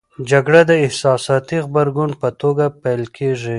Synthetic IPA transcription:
d͡ʒaɡɽad̪əɪhsɑsɑt̪ixbəɾɡʊnpət̪oɡapajlkʰeʐi

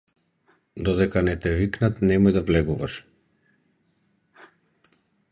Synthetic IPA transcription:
d̪ɔd̪ɛkanɛt̪ɛviknat̪nɛmɔjd̪avlɛɡuvaʃ

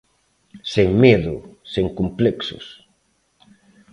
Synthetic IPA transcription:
seŋmeðʊ̰seŋkompleksʊ̰s

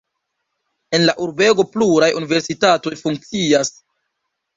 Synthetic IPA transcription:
e̞nlaʔuɾbe̞ɡo̞pluɾajʔunive̞ɾsitato̞jfuŋk̚t͡sias

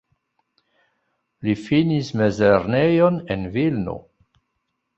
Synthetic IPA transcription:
lifinismezeɾnejonenvilno̰

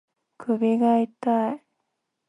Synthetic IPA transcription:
kʰɯbiɡait̪ai

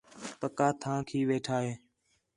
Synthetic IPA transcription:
pəkaːt̪ʰãːkʰiːʋeːʈʰaːɦeː

